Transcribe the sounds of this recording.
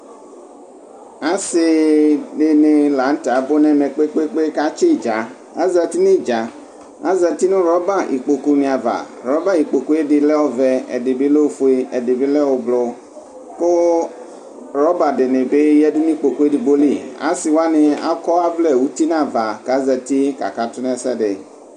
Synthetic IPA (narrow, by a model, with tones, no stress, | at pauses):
a˦sɪ˨de˨ne˨la˨˦ŋ̩˦ta˨˦bo˦nɛ̃˨mɛ̃˨k͡pe˦k͡pe˦k͡pe˦ka˦t͡ʃi˦˨d͡ʒa˨ | a˦zɛ˨t̪i˦nĩ˦d͡ʒa˨ | a˦zɛ˨t̪i˦nũ˦ɾɔ˦ba˦ʔḭ˨k͡po˨ku˨nĩ˨a˨va̰˨ | ɾɔ˨˦ba˦i˨k͡po˨ku˦e˦ɖɪ˨lɛ˦wo˦vɛ˦ɛ̰˨dɪ˨bi˦le˦o˦fo˨˦e˦ɛ˨de˨bi˦lɛ˦wo˨blo˦ | ko˦ | ɾɔ˦ba˨ɖe˨ne˨be˦jɛ˦di˦nĩ˦k͡po˨ku˦e˦di˨bo˦li˦a̰˨˦si˨wa˦nẽ˨a̰˦kɔ˦a˦vlɛ˦˨wu˦t̪i˦nã˦˨va˨ka˦zɛ˨t̪i˦ka̰˨ka˨t̪ʊ˦nɛ̃˦˨sɛ˦ɖe˨